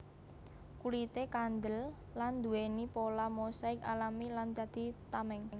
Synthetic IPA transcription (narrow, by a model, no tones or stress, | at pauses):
kulit̪ekand̪əlː | and̪ṳwenipolamosaɪka̰lamiland̪̥a̤d̪̥i̤t̪amɛŋŋ